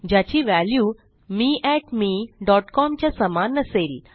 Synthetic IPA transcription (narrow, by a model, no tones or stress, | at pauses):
d͡ʑjat͡ɕiːʋæljuː | miːʔɛʈmiːɖɔʈkɔmt͡ɕjasəmanəsel